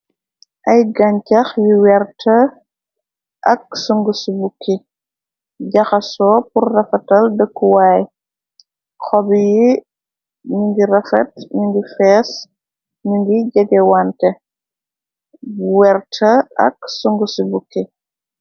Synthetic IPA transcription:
ʔɐjɡɐɲcɐxwiwɛrtʰɐ | ʔɐk̚suŋɡusubukːi | ɟɐxɐsɔːpurːɐfɐtɐldəkːuwaːj | xɔbji | ɲuŋɡirɐfɐt̚ɲuŋɡifɛːs | ɲuŋɡiɟɐɡɛwantɛ | wɛrtʰɐɐ̰ksuŋɡusubukːi

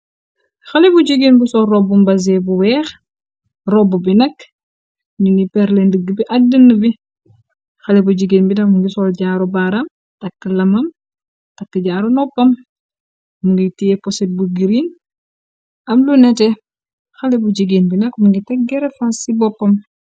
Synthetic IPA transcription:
xɐlebuɟiɡinbusɔrɔbumbɐzebuwɛːx | rɔbubinɐk | ninipɛɾlendəɡːəbiʔɐɡ̚dənːəbi | xɐlebuɟiɡinbinɐk̚muŋɡisɔlɟaːɾobaɾam | tɐkːəlɐmɐm | takːəɟaːɾonɔpːɐm | muŋɡitijepɔset̚buɡiɾin | ɐmlunɛtɛ | xalebuɟiɡinbinɐkmuŋɡitɛk̚ɡɛɾefansibɔpːɐm

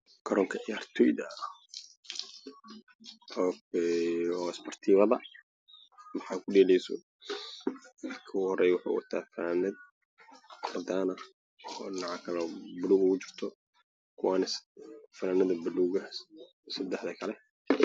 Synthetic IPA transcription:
kʰɔɾɔːŋkʰɐʕɪjaːrt̪ʰɔjd̪ɐ | ɔ | ɔːɪspɔrt̪ʰiːβɐðɐ | mɑħɑːkʰʊɖɛːlɛjsɔ̰ | ɐrkʰɐɣʊhɔɾɛjwʊħa̰ːwɐ̰t̪ʰa̰ːfɐnaːnɐd̪̚ | wɐd̪aːnɐ | nɑʕɑkʰɐlɔbʊluːɡʊɡʊt͡ʃɪ̥r̥t̪ʰɔ | kʰʊwaːnɪsfɐnaːnɐðɐbʊluɡɐ | sɐd̪ɛħðɐkʰɐlɛ

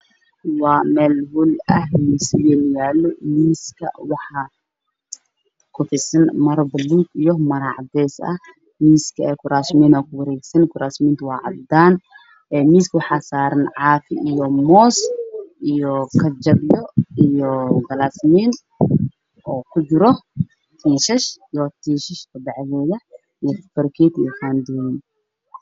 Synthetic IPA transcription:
waːmɛːlhʊlʔɐhmiːsɪjɛːnjaːlːɔmiːskʰɐ̰wɑħɑ | kʰʊfɪsɐnmɐɾbɐluːt̪ijɔmɐɾaʕd̪ɛːsɐ̰h | miːskʰɐɛːkʰʊɾaːsmiːnɔːkʰʊwɐɾɛːɡsɐnkʰʊɾaːsmiːnt̪ʰwaːʕɑ̰bd̪aːn | ʔɛːmiːskʰwɑħaːsaːɾɐnʕaːfɪʔijɔmɔːsʔijɔkʰɐd͡ʒɐbjɔijɔɡɐlaːsmiːn | ʔɔːkʰʊd͡ʒɪɾɔ | t̪ʰiːʃɐʃijɔt̪ʰiːʃɐʃkʰɐd̪ɐʕɣɛːðɐ | ijɔfɐrkʰit̪ijɔkand̪iːn

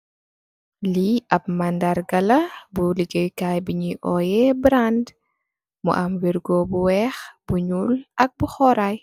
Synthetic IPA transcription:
liɐp̚mandaɾɡɐlɐbuliɡəjkajbiɲiʔɔjɛbɾand | mṵʔamwiɾɡɔbuwɛxb̥uɲulʔɐk̚buxɔɾaj

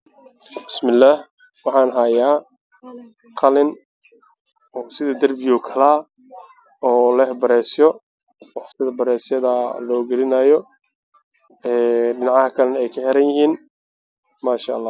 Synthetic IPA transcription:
bɪsmɪlːaːh | wɑħɑːnɦajaː | qɑlɪn | ɔːsɪðɐd̪ɐrbɪjɔkʰɐlaː | ɔːlɛhbɐɾɛːsjɔ | wɑħsɪðɐbɐɾɛːsjɐðɐlɔːɡɐlɪnaːjɔ | ɛːɖɪnɑʕɑhɐkʰɐlɛnɛɛjkʰɐħɛɾɐnjɪhiːn | maːʃa̰ʔːlːɑː

